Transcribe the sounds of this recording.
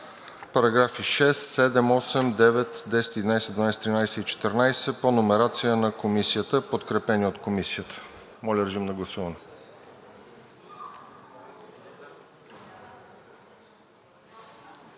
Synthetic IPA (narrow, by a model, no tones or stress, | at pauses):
pɐɾɐɡɾafiʃɛst̪sɛd̪ɛmɔsɛmd̪ɛvɛt̪d̪ɛsɛ̥t̪id̪inajsɛd̪vɐnajst̪ɾinajsɛit͡ʃɛ̥t̪əɾnajsɛponomɛɾat̪sijənɐkomisijət̪əpot̪kɾɛpɛnʲiot̪komisijət̪ə̥ | mɔlʲəɾʒimnɐɡlˠɐsuvɐnɛ